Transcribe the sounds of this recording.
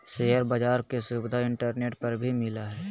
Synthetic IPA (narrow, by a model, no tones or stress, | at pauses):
ʃejəɾbəd͡ʒaːɾkesuːbɪd̪ʱaɪ̃ɳʈəɾneːʈpɐɾbʱimɪlaɦɛː